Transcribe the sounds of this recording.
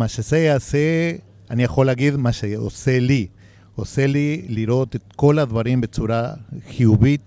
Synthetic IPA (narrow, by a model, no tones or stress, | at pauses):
maʃezejease | anijaχo̞leaɡid̪maʃeo̰se̞li | ose̞liliɾo̞t̪et̪ko̞lad̪vaɾimbe̞t͡suɾaχijuvit̪